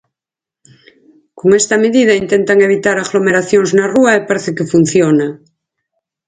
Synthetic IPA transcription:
koŋest̪ameðiðaint̪ent̪aŋeβ̞it̪aɾaɣlomeɾaθjoŋznaruaepaɾeθekefun̟θjona

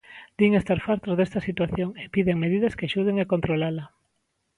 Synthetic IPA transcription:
d̪̥iŋest̪aɾfaɾt̪ozðest̪ɐsit̪waθjoŋepiðeŋmeðið̞ɐskeaʃuð̞eŋakont̪ɾolalɐ

